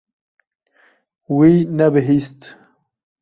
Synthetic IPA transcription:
winabɪɦist̪

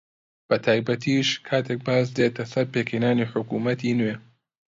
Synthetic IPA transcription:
b̥ɐt̪ʰaːjbɐt̪ʰiːʃkʰaːt̪ʰek̚baːs̬d̪eːt̪ʰɐsɐɾpekʰejnaːniħʊkuːmɐt̪ʰiːnweː

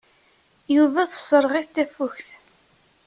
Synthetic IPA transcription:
juvæθə̥sˤːɾˤʁiθt̪ːæfʊçθ

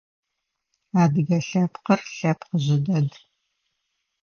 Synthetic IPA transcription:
aːdɨɡɐɬɐpqɐrɬɐpqəʑɪdɐd

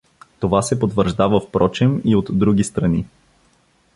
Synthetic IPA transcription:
t̪ovasɛpot̪vəɾʒd̪avəfpɾʔɔt͡ʃɛmiot̪d̪ɾuɡ̟ist̪ɾɐni

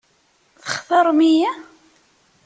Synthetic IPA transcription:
θə̥χθəɾˤmijæ

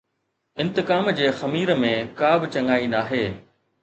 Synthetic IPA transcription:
ɪ̃nt̪ɪkaːmd͡ʑeːxɐmiːɾəmẽkaːbɪt͡ɕɐ̃ŋɡaːinaːɦeː

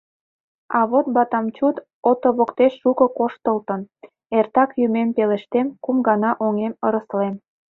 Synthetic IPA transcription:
ɑβot̪̚bɑt̪ɑmt͡ɕut̪ | ot̪oβokt̪eʃːukə̆koʃt̪əlt̪ə̆n | ert̪ɑkjymempeleʃt̪emkumɡɑnɑʔoŋeməɾəslem

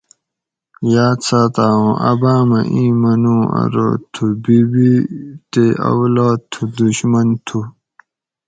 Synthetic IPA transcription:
jaːt͡sʰaːt̪aːwõʔɐbaːmɐʔĩːmɐnũːɐ̰ɾo̰ːt̪ʰubibit̪eɐ̰wlaːd̪̚t̪ʰud̪uɕmɐnt̪ʰu

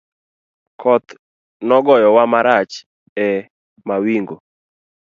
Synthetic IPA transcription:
kʰɔt̪ | nɔɡɔjɔwamaɾat͡ʃ | ɛ | mawiŋɡo

